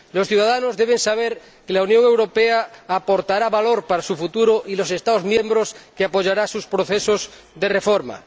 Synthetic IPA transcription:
losθjuðaðanozðeβ̞eŋsaβ̞eɾ | kelaunjõŋewɾo̞peaːpoɾt̪aɾaβaloɾpaɾasufut̪uɾoʔilose̞st̪aðozmjẽmbɾoskeapoʝaɾasuspɾoθesoz | ðe̞refoɾma̰

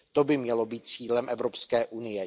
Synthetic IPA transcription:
t̪o̞bɪmɲɛlo̞biːt̪̚t͡siːlɛmʔɛvɾopskɛːʔunɪjɛ

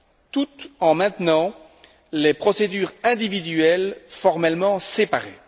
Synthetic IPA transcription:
t̪ut̪ɑ̃mɛ̃t̪nɑ̃ | lepχɔsed̪yːʁɛ̃d̪ivid̪ɥyɛlfɔʁmɛlmɑ̃sepaʁe

